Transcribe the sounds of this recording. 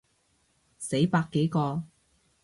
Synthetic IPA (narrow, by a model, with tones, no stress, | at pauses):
se˨˥jpaː˧kːe˨˥jkɔː˧